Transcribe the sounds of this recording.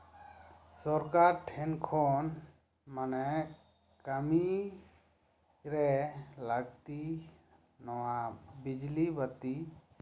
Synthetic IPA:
sɔɾkaɾʈʰɛnkʰɔn | manɛ | kami | ɾɛlaɡt̪i | nɔwabid͡ʒlibat̪i

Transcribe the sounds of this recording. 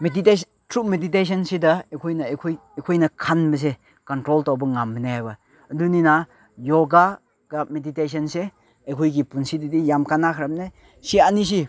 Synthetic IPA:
medite | tɾumedit̬es̬ɔnsidɐekʰojnɐekʰoj | ekʰojnɐkʰanbɐs̬e | kɔntɾoltawbɐŋamːinehajbɐ | ədunina | joɡa | ɡ̥amedites̬ɐnse | ekʰujɡipunsididijamkanakʰɾamne | sianis̬i

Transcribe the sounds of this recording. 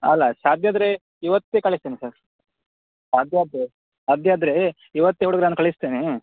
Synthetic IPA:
ɐ̰lːasaːd̪ʱjaːd̪ɾe | iʋɐt̪ːekɐɭist̪eːnisaɾ | saːd̪ʱjaːd̪ɾe | aːd̪ʱjaːd̪ɾe | iʋɐt̪ːeuɽuɡɐɾnaːnukɐɭist̪eːne

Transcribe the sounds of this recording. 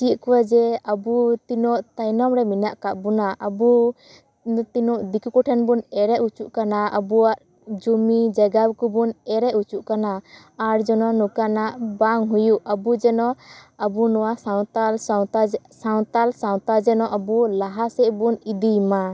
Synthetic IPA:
t͡ʃiʔ̪̚kuwad͡ʒɛabut̪inɔʔt̪ajnɔmɾɛminaʔkaʔbunaʔabu | t̪inɔʔd̪ikukɔʈʰɛnbunɛɾɛʔut͡ʃuʔkanaa̰buwaʔ | d͡ʒumid͡ʒaɡabkubunɛɾɛʔut͡ʃuʔkana | aɾd͡ʒɔnɔnukanaʔbaŋɦujuʔabud͡ʒɛnɔʔabunɔwasawt̪alsawt̪asaw̃t̪alsaw̃t̪ad͡ʒɛnɔʔabulaɦasɛʔbunid̪ijma

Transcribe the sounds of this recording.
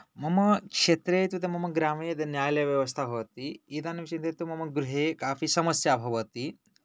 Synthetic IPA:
mɐmɐkʂet̪ɾet̪ut̪emɐmɐɡɾaːmed̪njaːjljaʋjɐʋɐst̪ʰabʱɐʋɐt̪iid̪anemt͡ʃint̪ɾet̪umɐmɐɡɾuɦekaːfiːsɐmɐsjabʱɐʋɐt̪i

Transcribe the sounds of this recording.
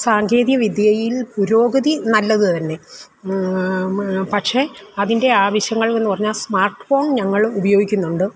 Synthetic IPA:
saːŋɡeːðjɐʋid̪jɐɐjilpuɾo̞ːɡɐðinɐlːɐðɨt̪ɐnːe̞ | pɐʈʂe̞ɐðinde̞aːʋɐɕjɐŋːɐɭenːɨpɐrɐɲːaːlsmaːrʈfoːɳɲɐŋːɐɭubɐjo̞ːɡikʲːunːuɳɖɨ

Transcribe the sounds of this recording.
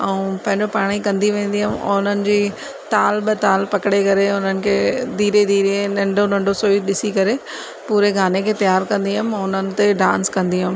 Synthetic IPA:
ɛ̃ũpɐ̃ɦɪ̃ɲd͡ʑopaːɽ̃ikɐ̃nd̪iʋẽːn̆d̪iɦəm̰ʊn̤ənɪ̆d͡ʑiː | t̪aːlɓɪt̪aːlpɐkɪɽekɐɾeʊnənɪ̆kʰeːd̪ʱiːɾed̪iːɾenɐ̃ɳɖʱonɐ̃ɳɖosoːiɗɪsikɐɾe | puːɾeɡaːnekʰeːt̪ɐjaːɾkɐ̃nd̪iɦəmɛ̃ʊnənɪ̆t̪eɖãːnskɐ̃nd̪iɦm

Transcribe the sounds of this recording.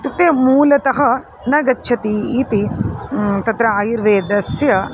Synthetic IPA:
t̪uk̚t̪eːmuːlɐt̪ɐɦɐ | nɐɡɐt͡ʃːʃʰɐt̪iiːt̪i | t̪ɐt̪ɾɐaːjiɾʋeːd̪ɐsjɐ

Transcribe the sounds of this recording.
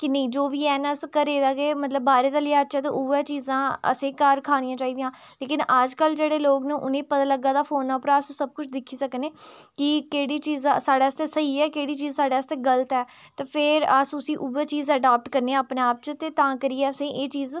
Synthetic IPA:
kɪnəĩːd͡ʒoːʋiːɛːnəskəɾeːd̪aːɡeːmət̪ləbːaːɾeːd̪aːleːaːətːʃɛːt̪ḛʔʊːʋeːt͡ʃiːzãːə̰sẽːkəɾkʰaːnijãːt͡ʃaːiːd̪ijãː | leːkɪnəd͡ʒkəld͡ʒeːɽeːloːɡnẽːʔʊnẽːpət̪aːləɡaːd̪aːpʰoːnaːpɾaːssəb̚kʊt͡ʃʰd̪ɪkʰːiːsəkəneːkɪkeːɽiːt͡ʃiːzaːsaːɖeːəst̪eːsəiːɛːkeːɽiːt͡ʃiːzsaːɖeːəst̪eːɡələt̪ɛː | t̪eːpʰɪɾəsʊsiːʔuʋeːt͡ʃiːzəɖaːp̚ʈkəɾneːaːpneːaːp̚t͡ʃət̪eːt̪ãːkəɾiːɛːəsẽːʔeːt͡ʃiːz

